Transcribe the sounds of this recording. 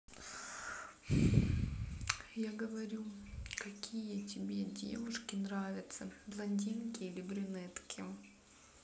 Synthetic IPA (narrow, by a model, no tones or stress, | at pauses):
jaɡəvɐɾʲukɐkʲʰijətʲɪbʲedʲḛvʊʂkʲɪnɾavʲɪt̪səvlˠɐnʲdʲinkʲɪilʲɪbɾʲʊnɛt̪kʲʰɪ